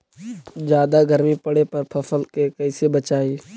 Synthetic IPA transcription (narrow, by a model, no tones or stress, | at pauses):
d͡ʒjaːd̪aɡəɾmipɐɽepɐɾpʰɐfəlkekɐɪsebət͡ʃaːiː